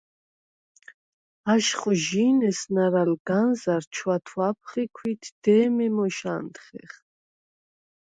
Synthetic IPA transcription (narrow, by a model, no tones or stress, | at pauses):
aʃχuʒiːnɛsnaɾalɡanzaɾt͡ʃʰwat̪ʰwapʰχikʰwit̪ʰd̪̥ɛːmɛmɔʃa̰nt̪χɛ̰χ